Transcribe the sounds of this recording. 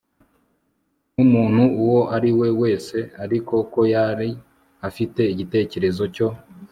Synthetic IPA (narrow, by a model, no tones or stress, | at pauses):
numuːn̥huuwo̞ʔaɾiwe̞we̞ːse̞aɾiko̞ko̞jaɾi | afite̞iɟite̞ːce̞ɾe̞zo̞co̞